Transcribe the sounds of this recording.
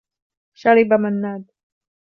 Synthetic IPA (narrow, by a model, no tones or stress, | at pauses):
ʃaɾibamanːad̪